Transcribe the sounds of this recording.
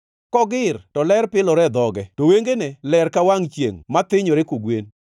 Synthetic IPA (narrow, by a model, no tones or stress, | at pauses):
kɔɡɪrtɔlɛɾpɪlɔɾɛd̪ɔɡɛtoweŋɡenɛlɛrkawaŋt͡ʃjḛŋmat̪ɪɲɔɾekoɡwen